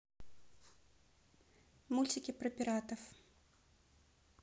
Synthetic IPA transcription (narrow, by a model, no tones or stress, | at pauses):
mulʲt͡sʲikʲipɾɨpʲiɾat̪ɐf